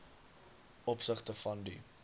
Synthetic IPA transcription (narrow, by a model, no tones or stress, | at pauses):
ɔpsəχtəfɐndḭ